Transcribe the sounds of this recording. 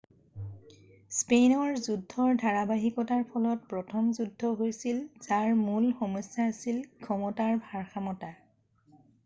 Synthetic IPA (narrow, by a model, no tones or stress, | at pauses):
spenɔɹzudʱːɔɹdʱaɹabaɦikɔtaɹpʰɔlɔt̚pɹɔtʰɔmzudʱːɔɦojsilzaɹmulxɔmɔsjaːsilkʰɔmɔtaɹbʱaɹxʰamɔta